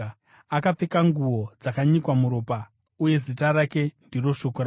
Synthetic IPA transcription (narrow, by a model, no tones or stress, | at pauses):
akap͡fekaŋɡuwo̞d͡zakaɲikwamuɾoːpa | uje̞zitaɾake̞ndiro̞ʂo̞koɾa